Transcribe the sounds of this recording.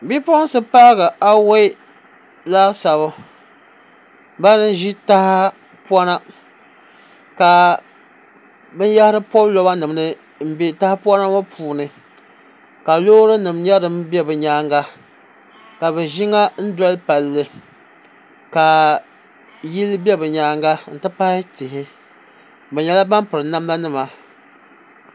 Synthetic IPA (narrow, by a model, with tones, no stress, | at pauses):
bi˦pɔ˦n˦sɨ˦pa˦ɣa˨ʔa˦we˦ | la˦sa˨bʊ˦ | ba˦nɨ˦n˦ʒi˦ta˦ha˦ | pwa˦na˦ | ka˨ | bɨ˦n˦ja˦hɪ˦ɾɨ˦pɔ˦blɔ˦ba˦nɨ˨m˨nɨ˦ | m̩˦be˦˨ta˦hpɔ˦na˦ma˦pʰuː˨nɨ˨ | ka˨loː˦ɾɨ˦nɨ˨mɲɛ˦ɾɨ˦mbɛ˦bɨ˨ɲaː˦ŋɡa˦ | ka˨βɛ˨ʒɪ˦ŋa˦n̩˦dɔ˦lpa˨lːɨ˦ | ka˨ | ji˦lɨ˦bɛ˦bɨ˨ɲaː˦ŋɡa˦n̩˨tɨ˦pa˦hɪ˦tɪ˨ɦɪ˦ | bɨ˨ɲɛ˦la˦ba˦mpɨ˨ɾɨ˨na˦mla˦nɨ˦ma˨